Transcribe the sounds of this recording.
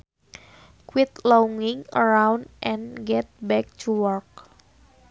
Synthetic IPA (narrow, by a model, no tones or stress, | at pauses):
kwɪt̪lauŋɪŋə̰ɾawndʔɛ̃nɡɛt̪̚bɛk̚tʰuwɔɹk̚